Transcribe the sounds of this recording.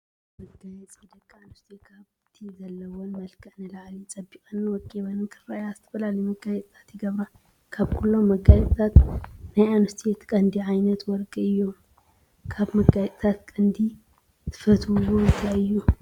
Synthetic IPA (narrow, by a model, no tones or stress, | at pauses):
mɐɡajɛt͡sʼid̪ɐkʼːanust̪ʰekʰaβ | t̪ʰizɐlːɐwonmɐlkʰɐʕnɨlaʕlit͡sʼɐbːikʼɐnːɨwɔkʼːiβɐnɨnkʰɨɾajazɨt̪ʰɐ̥fɐlalɐjmɐɡajɛt͡s̪ʼt̪ʰḁt̪jɪɡɐβɾa | kʰaβkʰulːo̞mːɐɡajɛt͡s̪ʼt̪ʰat̪najanɨst̪ʰet̪kʼɐnd̪iʕajnɐt̪wɔɾkʼɨɨjːom | kʰaβmɐɡajɛt͡s̪ʼt̪ʰat̪̚kʼɐnd̪i | t̪ʰɨ̥fɐt̪uwoɨnt̪ʰajɨjːu